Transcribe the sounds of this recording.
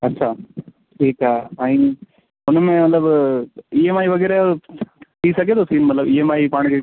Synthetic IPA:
ɐtːʃʰaː | ʈʰiːkaɦaːĩ | ʊnmẽmɐt̪ləbiemaːiʋɐɡɛːɾe | t̪ʰisɐkeːt̪osiːnmɐt̪ləbiemaːipãːɽ̃ke

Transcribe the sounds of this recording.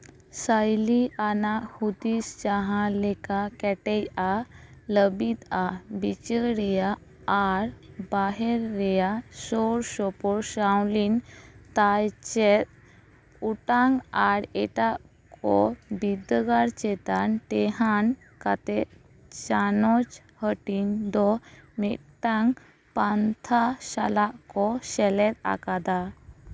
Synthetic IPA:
sajlianahud̪isd͡ʑaɦãlɛkakɛʈɛjaləbit̪abit͡ɕəɾɾijaː | ɾbaɦɛɾːɛjasɔɾsɔpɔɾsawlint̪ajt͡ɕɛt̪̚ | uʈaŋaɾɛʈaʔ | kʰɔbid̪ɡaɾt͡ʃɛt̪anʈɛɦan | kat̪ɛʔ̪ | t͡ʃanɔt͡ʃ | həʈind̪ɔmɛt̪̚t̪aŋ | pant̪ʰasalaʔkɔsɛlɛt̪̚a̰kad̪a

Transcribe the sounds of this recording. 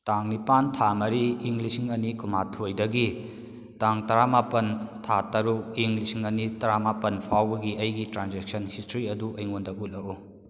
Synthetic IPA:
taŋnipantʰamɐɾiːŋlisiŋɐnikʰumatʰojdɐɡi | taŋtɐɾamapɐntʰatɐɾuk̚iŋlisiŋɐnitɐɾamapɐnpʰawbɐɡiɐjɡitɾanzek̚sɐnhistɾiɐduɐjŋondɐut̚lɐu

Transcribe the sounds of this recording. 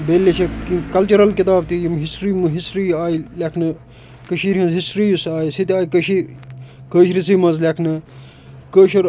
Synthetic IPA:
beːlːet͡ʃʰɐkikɐlt͡ʃuɾɐlkit̪aːb̚t̪ijimɦisʈɾiːmɨɦisʈɾiːaːjilʲɐkʰnɨ | kəʃiːɾɦɐ̃nzɦisʈɾiːjusaːjisit̪aːjkəʃi | kəːʃɾisiːmɐzlʲɐkʰnɨ | kəːʃɐɾ

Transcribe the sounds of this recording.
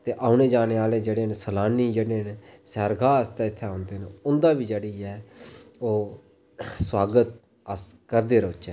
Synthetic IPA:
t̪eːʔaːʊneːd͡ʒaːneːaːleːd͡ʒeːɽeːnsəlaːniːd͡ʒeːɽeːnsɛːɾɡaːəst̪ɛːɪt̪ʰːeãːʊnd̪eːneʊnd̪aːʋiːd͡ʒeːɽiːɛːoː | swaːɡət̪̚ | əskəɾd̪eːɾoːt͡ʃɛː

